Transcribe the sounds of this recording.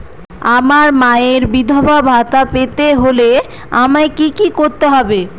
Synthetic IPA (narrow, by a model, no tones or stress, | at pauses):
amaɾmaeɾbid̪ʱobʱabʱat̪apet̪eɦole | amaekikikoɾt̪eɦɔbe